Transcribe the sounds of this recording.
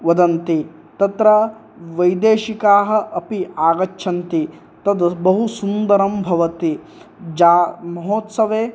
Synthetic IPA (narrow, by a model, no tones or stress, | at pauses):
ʋɐd̪ɐnt̪i | t̪ɐt̪ɾɐ | ʋɐjd̪eːʃikaːɦɐ̆ʔɐpiaːɡɐtːʃʰɐnt̪i | t̪ɐd̪ɐbɐɦusund̪ɐɾɐmbʱɐʋɐt̪i | d͡ʒaːmɐɦoːt̪sɐʋeː